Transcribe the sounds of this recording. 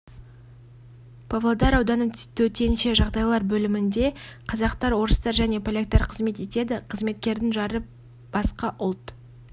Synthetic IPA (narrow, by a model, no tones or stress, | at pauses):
pʰovlˠod̪ɑɾɑwd̪ɑnət̪ʰɵt̪e̞nʃe̞ʒɑʁd̪ɑjlˠɑɾbɵlɪmɪnd̪e̞qʰɑzɑqt̪ɑɾwo̞ɾəst̪ɑɾʒæne̞pʰolʲek̚t̪ːɑɾqʰəzme̞t̪e̞t̪e̞d̪ɪqʰəzme̞t̪kʲe̞ɾd̪ɪŋʒɑɾə | b̥ɑsqɑʔʊlˠt̪